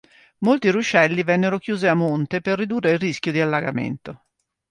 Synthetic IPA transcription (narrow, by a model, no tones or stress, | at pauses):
molt̪iɾut͡ʃɛlːivɛnːeɾok̟juːziamːont̪eperːid̪uːrːeilriskjod̪ialːaɡa̰mḛnt̪o